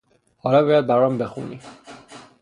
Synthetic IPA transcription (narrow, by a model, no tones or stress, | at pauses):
hɒːlɒːbɒːjæd̪̚bæɾɒmbexṵnḭ